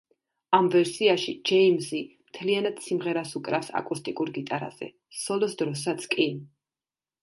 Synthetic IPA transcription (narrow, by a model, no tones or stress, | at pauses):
amvɛɾsiaʃid͡ʒɛimsimt̪ʰlianad̪̥simʁɛɾasukʼɾafsa̰kʼust̪ʼikʼuɾɡit̪ʼaɾa̰z̥ɛ̰ | sɔlɔsd̪ɾɔs̬at̪sʰkʼi